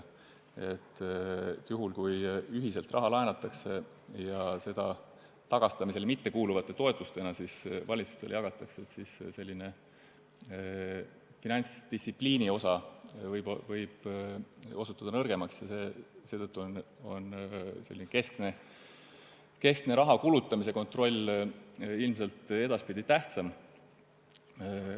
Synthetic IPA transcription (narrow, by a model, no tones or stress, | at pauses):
e̞t̪ːˑ | juɦulkujyɦise̞lt̪rɑ̰ɦɑlɑenɑt̪ːˑɑkse̞ | jɑse̞d̪̥ɑ | t̪ɑɡ̥ɑst̪ɑmis̬e̞lmit̪ːe̞kuːluvɑt̪ːˑe̞t̪o̞e̞t̪ːˑust̪e̞nɑsisvɑlʲit̪su̥st̪e̞ljɑɡ̥ɑt̪ːˑɑkseet̪sisse̞lʲːine̞ | finɑnʲsd̪̥ist̪ːsipliːnio̞sɑvɤjbvɤjb̥ | o̞sut̪ːˑɑd̪ɑnɤrɡ̥e̞mɑksjɑse̞ːse̞ːt̪ɤt̪ːˑuon | o̞̰nse̞lːineke̞skne | ke̞skne̞ɾɑɦɑkulut̪ˑːɑmis̬e̞ko̞nt̪ro̞lʲ | ilms̬e̞lt̪e̞d̪ɑspid̪it̪æht̪sɑm